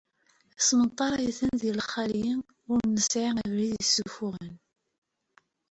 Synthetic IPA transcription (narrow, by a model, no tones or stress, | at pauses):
əsmət̪ˤːɑɾˤɑjiθənðilχːæljən | ʊɾnəsʕiŋəvliðəsːufuʁən